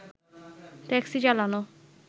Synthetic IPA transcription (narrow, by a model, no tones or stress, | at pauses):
t̪ɛksid͡ʑalano